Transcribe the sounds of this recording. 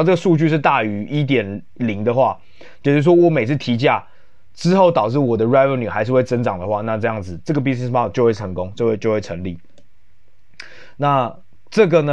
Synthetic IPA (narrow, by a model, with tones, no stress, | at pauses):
ʈ͡ʂə˥˩ɡə˨˩su˥˧t͡ɕy˥˧ʂ̬ɻ̩˥˧t̪a˥˩y˧˥ʔi˦˥t̪̬jɛ˨˩n | li˧˦ŋd̪ə˨˧xwa˥˩ | t͡ɕo˨˩t͡ɕ̩˥˩ʂwɔ˥wɔ˧˥me˨ɪt͡s̩ʰ˥˩t̪ʰi˧˥t͡ɕ̬ja˥˩ | ʈ͡ʂɻ̩˥xo˥˩ʊt̪ɑ˨˩ʊʈ͡ʂɻ̩˥˩wɔ˨˩d̪ə˦ɹa˥ɪvə˨˩nu˨˩xa˧˥ɪʂɻ̩˥˧xwe˥˩ɪt͡sə˦˥nʈ͡ʂɑ˨˩ŋd̪ə˦xwa˥˧na˥˧ʈ͡ʂɤ˥˧jɑ˥˩ŋd͡zɹ̩˨˩ʈ͡ʂɤ˥˩ɡə˩pi˥snɛ˨˩spʰa˥˧˩t͡ɕo˥˧ʊwe˥˩ɪə˧˦ŋko˦ŋt͡ɕjo˥˧ʊwe˥˧ɪt͡ɕo˥˧ʊxwe˥˩ɪʈ͡ʂʰə̰˧˥ŋli˥˩ | na˥˨ | ʈ͡ʂɤ˥˩ɡə˨nə˨